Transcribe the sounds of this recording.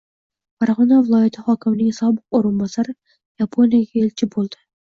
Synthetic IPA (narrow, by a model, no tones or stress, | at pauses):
faɾʁɒnavɪlˠɒjat̪ʰɪhɒkʲʰɪmnɪŋʲsɒbɨqoɾɪnbɒsaɾɪ | japʰo̞nijaɡʲaelt͡ʃʰɪbolˠd̪̥ɪ